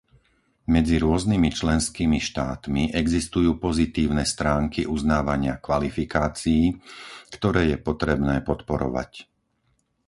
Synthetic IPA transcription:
mɛd͡ziɾʊɔznimit͡ʃlɛnskiːmiʃt̪aːt̪miʔɛɡzist̪ujuːpɔzit̪iːʊnɛst̪ɾaːŋkiʔuznaːʋaɲɪakʋalifikaːt͡siːkt̪ɔɾɛːjɛpɔt̪ɾɛbnɛːpɔt̪pɔɾɔ̰ʋa̰c

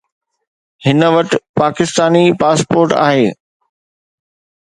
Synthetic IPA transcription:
hɪnəʋɐʈɪpaːkɪst̪aːnipaːspoːɾʈa̰ːɦeː

